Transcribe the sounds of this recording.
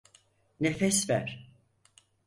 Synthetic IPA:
nefɛsvæɾ̥

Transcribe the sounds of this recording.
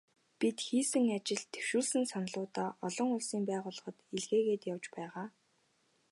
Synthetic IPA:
pit̪xiːsɘ̆ŋat͡ɕɪ̆ɮt̪ʰːe̥wʃuːɮsɘ̆nsanɮʊːt̪aːʔɔɮɞ̆ŋʊɮsiːmpæːʁʊːɮə̆χɞ̆t̪eɮɣeːɣeːt̪jawt͡ɕpæːʁaː

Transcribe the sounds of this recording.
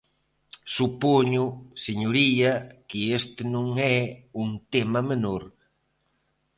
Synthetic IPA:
supoɲʊseɲoɾiɐkɪest̪ɪnõŋɛuŋt̪emamenoɾ

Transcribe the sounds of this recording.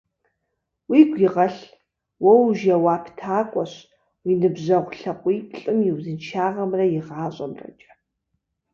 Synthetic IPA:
wiːɡʷiʁɐɬ | wɔwʒɐwaːpʰtʰaːkʷʼɔɕ | winɨbʑɐʁʷɬɐqʷʼiːpʰɬʼɨmjɪwzɨnt͡ʃʰaːʁɐmrɐjɪʁaːɕʼɐmrɐ̰t͡ʃʼɐ̥

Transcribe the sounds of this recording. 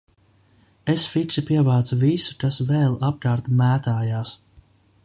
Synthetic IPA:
esfit̪sipiɛvaːt̪suvisu̥kasvɛːlˠap̚kaːɾt̪mæːt̪aːjaːs

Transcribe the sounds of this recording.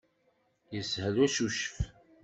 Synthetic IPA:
jəshəlæsuʃəf

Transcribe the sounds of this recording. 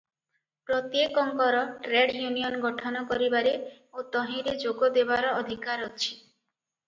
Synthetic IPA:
pɾɔt̪jekɔŋkɔɾɔʈɾeɖjunijɔnɡɔʈʰɔnɔkɔɾibaɾe | ot̪ɔɦĩɾed͡ʒoɡɔd̪ebaɾɔɔd̪ʱikaɾɔt͡ʃʰi̥

